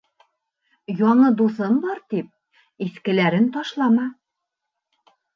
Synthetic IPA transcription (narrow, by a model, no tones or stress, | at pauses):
jɒɴɤd̪usɤmbɒɾt̪ip̚ | iskɘ̆læɾɘnt̪ɒʃlˠɑmɑ